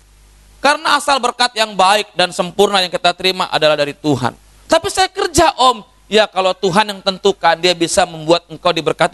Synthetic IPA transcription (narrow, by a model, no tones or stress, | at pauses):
kaɾənaːsalbərkat̪̚jaŋbaɪk̚dansəmpurnajaŋkit̪at̪əɾima̰ʔa̰dalahdaɾit̪uɦa̰n | t̪apisajakərd͡ʒaʔɔm | jakalowt̪uɦanjaŋt̪ənt̪ukandiabisaməmbuat̪̚əŋkawdibərkat̪̚